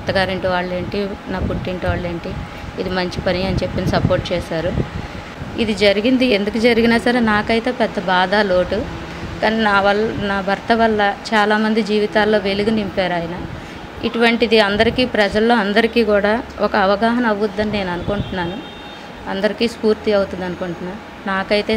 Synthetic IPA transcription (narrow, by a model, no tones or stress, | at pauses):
t̪ːɐɡaːɾiɳʈiʋaːɭːe̞ːɳʈinaːpuʈːiɳʈiʋaːɭːe̞ːɳʈi | id̪imɐɲt͡ʃipɐniɐnit͡ʃe̞pːinisɐpo̞ːɾʈ̚t͡ʃɛːʃaːɾu | id̪id͡ʒɐɾiɡind̪ie̞nd̪ukud͡ʒɐɾiɡinaːsɐɾenaːkɐjt̪e̞ːpɛd̪ːɐbaːd̪aːlo̞ːʈu | kaːninaːʋɐlnaːbʱɐɾt̪ɐʋɐlːɐt͡ʃaːlaːmɐnd̪id͡ʒiːʋit̪aːlːo̞ːʋe̞luɡunimpaːɾaːjɐnɐ | ḭʈuʋɐɳʈid̪iɐnd̪ɐɾikiːpɾɐd͡ʒɐlːo̞ːɐnd̪ɐɾikiːkuːɽaːɔkɐːʋɐɡaːɦɐnɐɐʋud̪ːɐnine̞ːnuɐnukuɳʈunːaːnu | ɐnd̪ɐɾikiːspuːɾt̪iɐwut̪und̪ɐnukuɳʈunːaː | naːkɐjt̪e̞ː